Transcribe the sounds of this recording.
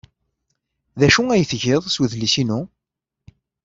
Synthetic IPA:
ðæʃuæjəθʝɪðˤswəðlisinu

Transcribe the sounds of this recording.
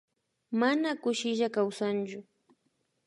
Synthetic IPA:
manakʊʃɪʒakawsant͡ʃʊ

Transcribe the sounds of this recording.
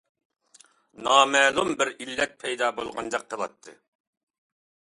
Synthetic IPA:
nɑːmɛːlˠumbɪɾilːɛt̪̚pʰɛjd̪ɑːbolˠʁɑnd͡ʒɑqʰːəlˠɑ̰t̪ʰːɨ

